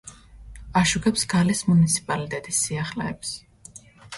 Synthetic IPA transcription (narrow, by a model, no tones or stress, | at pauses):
aʃuɡɛpsɡ̥alismunit̪sʰi̥pʼalit̪ʼɛt̪ʼisːiaχlɛːps